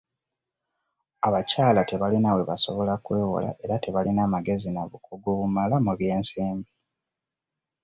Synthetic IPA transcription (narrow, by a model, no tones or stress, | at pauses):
aβacaːlate̞βalinawe̞βaso̞βo̞lakwe̞ːwo̰la̰ʔe̞ɾate̞βalinaːmaɡe̞zinaβukuɡuβumalamuβje̞ːnsiːmbi